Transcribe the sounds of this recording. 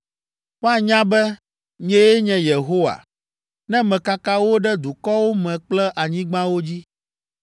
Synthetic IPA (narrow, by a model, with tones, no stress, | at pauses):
ɸa˦ɲã˦bɛ˦ | ɲ˦ɛ̃˦je˦ɲɛ̃˨je˨ɦo˦wa̰˨ | nɛ̃˦mɛ̃˨ka˦ka˦wo˦ɖɛ˦d̪u˨kɔ˦wo˦mɛ̃˨k͡plɛ˦ʔa˨ɲĩ˦ɡ͡bã˦wo˦d͡ʑi˦